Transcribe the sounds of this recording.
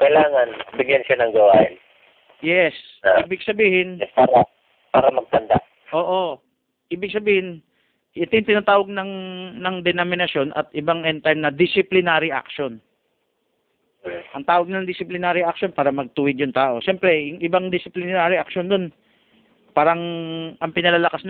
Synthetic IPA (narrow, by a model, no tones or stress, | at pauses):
kɐɪlaːŋɐnbɪɡjanʃanɐŋɡɐwaːʔɪn | jɛs | iːbɪɡsɐbiːhɪnɛpaːɾɐ | paːɾɐmɐɡ̚t̪ɐnd̪a̰ʔ | ʔo̞ːʔo̞ | ʔiːbɪɡ̚sɐbiːhɪn | ɐt̪ɪjʊŋt̪ɪnat̪aːwɐɡ̚nɐŋnɐŋd̪ɛnomɪnɐso̞nʔɐ̰t̪̚ʔɪbaŋʔɛnt̪aɾmnɐd̪ɪsɪplɪnaːɾɪʔa̰kʃo̞n | ʔɐŋt̪aːwɐɡ̚nɐŋd̪ɪsɪplɪnaːɾɪʔak̚ʃo̞npaːɾɐmɐɡ̚t̪ʊwɪd̪jʊŋt̪aːʔo̞ʃɛmpɾɛjʊŋʔɪbaŋd̪ɪsɪplɪnnaːɾɪʔɐk̚ʃond̪on | paːɾɐŋʔɐŋpɪnɐlaːlɐkasn